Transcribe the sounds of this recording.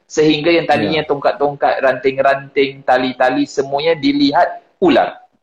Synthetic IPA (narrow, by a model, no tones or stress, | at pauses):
səɦiŋɡajaŋt̪adiɲãt̪oŋkat̪ːɔŋka̰t̪̚rant̪ɪŋɾant̪ɪŋt̪alit̪alisəmũaɲãdiliɦat̪̚ | ula̰r